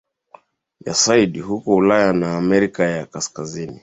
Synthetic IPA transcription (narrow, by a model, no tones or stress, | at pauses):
ja̰saiɗihukɔulajanaːmɛɾikajakaskazini